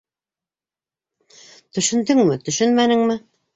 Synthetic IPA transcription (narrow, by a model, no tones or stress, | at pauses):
t̪ɵ̆ʃɘ̆nd̪ɘŋmɘt̪ɵ̆ʃɵnmænɘ̆ŋmɘ